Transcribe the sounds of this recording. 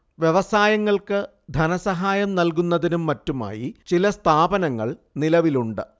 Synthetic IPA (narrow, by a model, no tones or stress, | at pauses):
ʋje̞ʋɐsaːjɐŋːɐɭkɨ | d̪ʱɐnɐsɐɦaːjɐmnɐlkunːɐðinumːɐtːuma̰ːjit͡ɕilɐst̪ʰaːbɐnɐŋːɐ̰ɭnilɐʋiluɳɖɨ